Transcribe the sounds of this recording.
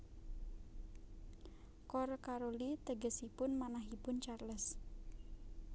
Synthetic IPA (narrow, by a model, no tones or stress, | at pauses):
kɔrkaɾolit̪əɡəsipʊnmanaɦipʊnt͡ʃarləs